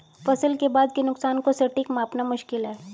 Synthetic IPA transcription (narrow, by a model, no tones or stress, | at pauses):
fɐsəlkebaːd̪kenʊksaːnkosɐʈɪkmaːpnamʊʃkɪlɦɛː